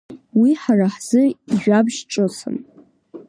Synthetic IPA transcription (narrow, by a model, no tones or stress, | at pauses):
wiħaraħz̥ɨiʒᶣabʒʈ͡ʂʼosʰɨ̰n